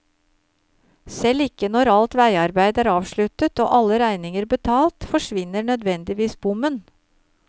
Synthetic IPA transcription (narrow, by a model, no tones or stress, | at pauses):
sɛlɪkənɔɾɑlt̪ʋæɪɑɾbæɪd̪æːɾɑːʋʃɭʉt̪ət̪o̰ːʔɑlːəɾæɪnɪŋəɾbət̪ʰɑːlt̪fɔʂʋɪnːəɳœd̪ʋɛnd̪ɪʋiːsbʊmən